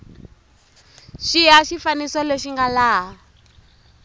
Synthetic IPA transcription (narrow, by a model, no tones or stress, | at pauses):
ʃiɦaʃifanisɔleʃiŋɡalaːɦa